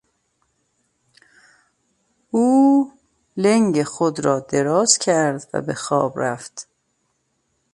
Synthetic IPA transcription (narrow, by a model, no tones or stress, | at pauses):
uː | leŋɟexod̪ɾɒːd̪e̞ɾɒːz̥cʰæɾd̪væ̰bexɒːbɾæft̪